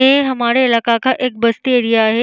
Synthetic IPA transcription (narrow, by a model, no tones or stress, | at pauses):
ẽɦɐmaːɾelaːkakʰãʔɪk̚bɐst̪ieːɽijaːɦe